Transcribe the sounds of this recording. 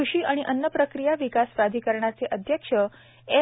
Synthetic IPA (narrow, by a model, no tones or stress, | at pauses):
uʃiʔəɽ̃iʔənːjəpɾəkɾijaʋikasʋad̪ʱikəɾɳat͡seʔəd̪ʱjəkʃə | e